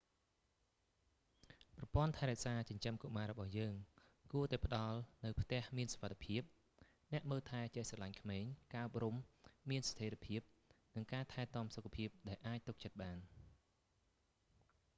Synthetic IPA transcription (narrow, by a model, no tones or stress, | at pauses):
prɑpoənt̪ʰaɛɾɛ̆əʔsaːt͡ɕɑɲt͡ɕəmkoʔmaːɾɔɓɑhjəːŋ | kuət̪aɛpə̆ɗɑlnɨwpʰt̪ɛ̆əhmiənsoʋat̪ʰe̥pʰiəp̚ | nɛ̆əʔməːlt̪ʰaɛt͡ɕesɑlaɲkʰmeːɲkaːʔop̚rumːiənst̪ʰeːɾpʰiəp̚nɨŋkaːt̪ʰaɛt̪ŏəmsokʰːapʰiəp̚ɗaɛlʔaːc̚t̪uk̚t͡ɕət̪̚ɓaːn